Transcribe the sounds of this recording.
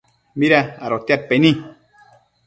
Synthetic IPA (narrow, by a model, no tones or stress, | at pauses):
miɾaaɾot̪jat̪̚penĩ